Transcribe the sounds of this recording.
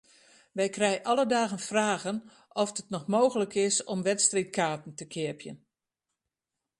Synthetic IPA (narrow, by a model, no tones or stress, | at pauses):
ʋɛjkrɛjʔɑlədaːɣənfraːɣən | ʔɔfdətnɔxmoːɣələkʰɪsɔmʋɛtstrit̚kʰaːtn̩təkʰɪəpjə̰n